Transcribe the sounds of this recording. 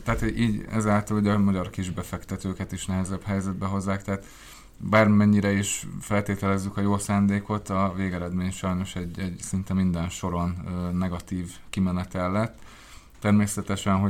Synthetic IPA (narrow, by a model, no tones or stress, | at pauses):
t̪ɛat̪iːɟɛ̰zaːlt̪ɒluɟɒmɒɟɒrkiʒbɛfɛkt̪ɛt̪øːkɛt̪iʃnɛɦɛzɛbɦɛjzɛd̪bɛɦo̞zːaːkt̪ɛɦːt̪ | baːrmɛɲːiɾɛiʃfɛlt̪eːt̪ɛlɛzːykɒjoːlsaːnd̪eːko̞t̪ɒveːɡɛɾɛd̪meːɲʃɒjno̞ʃɛɟɛɟsint̪ɛmind̪ɛnʃo̞ɾo̞nːɛɡɒt̪iːvkimɛnɛt̪ɛlːɛt̪ː | ɛrmeːsɛt̪ɛʃɛnɦo